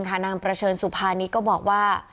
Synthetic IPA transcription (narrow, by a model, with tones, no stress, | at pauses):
ŋkʰa˥˩naː˧ŋpɾa˧t͡ɕʰɤː˧nsu˨˩pʰaː˧niː˦˥kɔː˥˩bɔː˨˩k̚waː˥˩